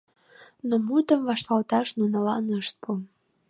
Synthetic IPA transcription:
nomut̪əmvɑʃlɑlt̪ɑʃnunɑlɑnəʃt̪̚pu

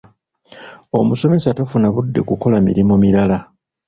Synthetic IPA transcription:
o̞̰muso̞me̞satafunaβudːe̞̰kuko̞lamḭɾimomiɾala

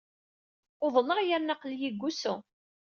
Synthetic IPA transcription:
ʊðˤləʁjaɾnɑqljiɡʷːusʊ

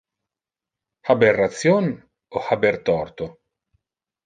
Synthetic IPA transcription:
haberːat̪sjon | ohabeɾt̪ɔrt̪o

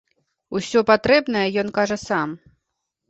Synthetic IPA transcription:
usʲɔpat̪ɾɛbnɐjɐjɔnkaʐɐsam

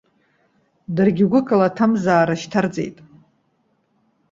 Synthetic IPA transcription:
dɨrɡʲɪɡʷʊkʼalatʰamzaːɾaʃtʰard͡zḛjtʼ

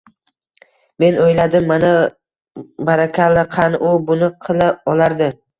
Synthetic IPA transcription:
me̞nojlad̪ɪmːana | baɾakʲʰalːɪqʰɑnʔʊbʊnɪqʰɨlˠaɒlaɾd̪ɪ

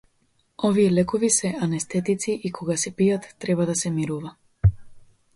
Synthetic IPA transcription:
ɔvijɛlɛkɔvisɛanɛst̪ɛt̪it̪siʔikʰɔɡasɛpijat̪ːɾɛbad̪asɛmiɾuva

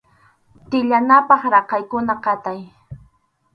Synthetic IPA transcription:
t̪ɪʎanapɑχɾɑqɑjkʊnaqɑt̪aj

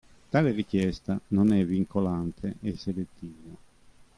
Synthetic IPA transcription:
t̪aːlerik̟jɛst̪anonɛvːiŋkolant̪ʰeʔeselet̪ːiːva

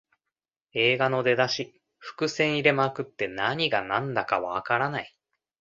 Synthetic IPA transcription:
e̞ːɡano̞d̪e̞d̪aɕi | ɸɯ̟̥kɯ̟sẽ̞ɰ̃iɾe̞makɯ̟t̪ːe̞naɲ̟iɡanãnd̪akaβaːkaɾanai

